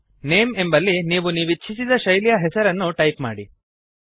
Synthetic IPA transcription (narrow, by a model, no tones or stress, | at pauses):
neːme̞mbɐlːiniːʋuniːʋit͡ʃːʃʰisid̪ɐʃɐjlijɐɦɛsɐɾɐnːuʈɐjpma̰ːɽi